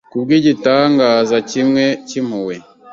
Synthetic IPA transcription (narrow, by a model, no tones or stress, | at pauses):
kubɡiːɟitaːŋɡaːzacimŋe̞cim̥uwe